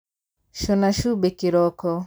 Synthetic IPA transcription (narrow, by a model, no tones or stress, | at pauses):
ʃunaʃubekiɾɔkɔ